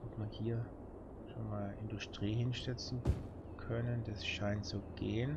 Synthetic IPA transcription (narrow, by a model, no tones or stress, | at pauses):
ʔɔpmaɐhiːɐ | ʃoːnmaːlʔɪndʊstʁ̥iːhɪnʃtɛt͡sn̩ | kʰœnənd̥asʃaɪntz̥uɡ̥eːən